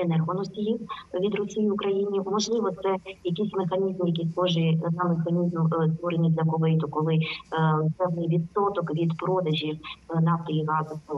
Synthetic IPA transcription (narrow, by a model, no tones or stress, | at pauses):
ɛnɛrɦɔnɔsʲtʲijiʋʲid̪rɔsʲijiʊkɾɐjinʲiɔmɔʒlˠɪʋɔt̪sɛjɐkisʲmexɐnʲizmjɐkʲiskɔʒɪzamːexɐnʲizmst̪ʋɔɾenʲizʲlʲɐkɔlɪjt̪ɔkɔlˠɪ | pɛʋnɪjʋʲit̪sɔt̪ɔkʋʲid̪pɾɔd̪ɐʒʲiwnɑft̪ɔjiɣɑzɐs